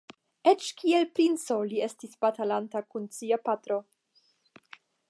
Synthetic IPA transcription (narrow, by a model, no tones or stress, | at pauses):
et͡ʃkielpɾint͡so̞lie̞stisbatalantakunt͡siapatɾo̞